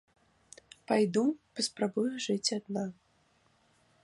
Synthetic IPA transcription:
pajd̪upɐspɾabujʊʐɨt͡sʲad̪na

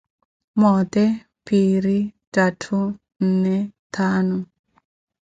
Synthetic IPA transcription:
mɔt̪ɛ | piɾitatʰu | n̩nɛtʰanɔ

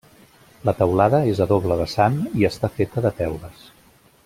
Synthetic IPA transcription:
lət̪əwlaðəezəðoβləðəsaniəst̪afet̪əðət̪ɛwləs

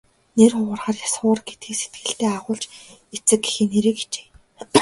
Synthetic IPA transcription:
nerχʊʁʊ̆rχaːrjasʊːrɡet̪ɡiːkse̥t̪̚ɡɘ̆ɬt̪eːaʁʊːɮt͡ɕ | et͡sɘ̆kːe̥xɘ̆neɾɘ̆ke̥t͡ɕe̥ː

